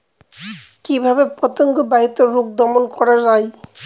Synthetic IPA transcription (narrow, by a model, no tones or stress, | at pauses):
kibʱabepɔt̪oŋɡobait̪ːoɾuk̚d̪ɔmonkɔɾad͡ʑaj